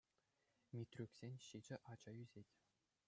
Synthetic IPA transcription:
mʲit̪ʲrʲukʲsʲenʲɕid͡ʑɘ̆ʔɑd͡ʑɑyzʲetʲ

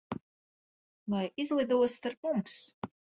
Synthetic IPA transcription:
lajizlˠid̪uɔst̪aɾpmums

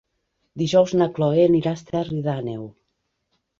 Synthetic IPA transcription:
d̪iʒɔwznaklɔeniɾast̪eriðanew

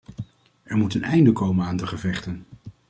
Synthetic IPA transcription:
ɛɹmutənɛjndəkowmənaːndtəχəvɛχtən

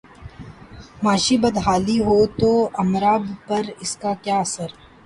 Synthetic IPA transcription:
maːʃibɐd̪ʱɦaːliɦot̪oɐmɾaːbpɐɾɪskakjaːɐsəɾ

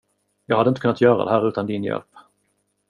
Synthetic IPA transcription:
jɑːɡhad̪əɪnt̪əkʰɵnat̪jœːɾa̰d̪ɛ̰ɦæːɾʉ̟ːt̪and̪ɪnjɛ̰lp

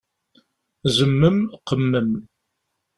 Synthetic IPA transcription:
zəmːəmqəmːəm

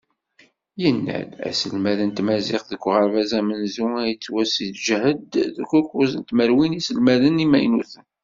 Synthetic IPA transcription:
jənːæ̰læ̰səlmæðənt̪mæziqðəɡʷːʁəɾvæzæmənzuæjət͡sːwæsiθʒəhəd̪ðəkʷːʊɾkuzənt̪məɾwinisəlmæðənimæjnuθən

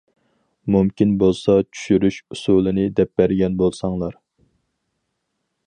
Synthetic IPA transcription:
mumkʲinbolˠsɑt͡ʃʰy̥ʃyɾyʃusulˠɨnɪd̪ɛp̚bæɾɡʲɛnbolˠsɑŋlˠɑɾ

